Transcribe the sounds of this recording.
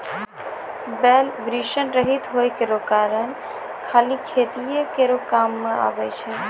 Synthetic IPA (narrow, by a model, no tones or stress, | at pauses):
bɛlʋɾiʃənɾəɦit̪ɦoːjkeɾokaːɾəɳ | kʰaːlikʰeːt̪ijekeɾokaːmːãʔa̰ːʋet͡ʃʰe